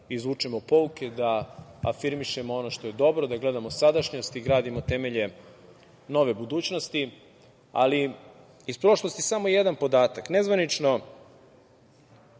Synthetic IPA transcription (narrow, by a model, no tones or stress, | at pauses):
izʋut͡ʂɛmopo̞uked̪aa̰fiɾmiʃe̞moono̞ʃt̪oje̞d̪o̞bɾo̞d̪aɡle̞d̪amosad̪aʃɲost̪iɡɾaːd̪imo̞t̪e̞me̞ʎe̞ | no̞ʋe̞bud̪uːt͡ɕno̞st̪i | a̰li | ispɾo̞ʃlˠo̞st̪isamo̞jed̪anpo̞d̪aːt̪aknezʋanit͡ʂno̞